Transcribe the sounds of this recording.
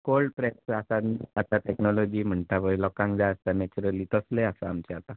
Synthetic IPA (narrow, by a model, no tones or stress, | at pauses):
kolɖpɾɛsasaat̪aʈeknɔlɔd͡ʑiːm̤əɳʈaʋəjlɔkãŋkd͡zajəst̪anɛt͡ɕuɾəlit̪əsleasaamt͡ɕeat̪a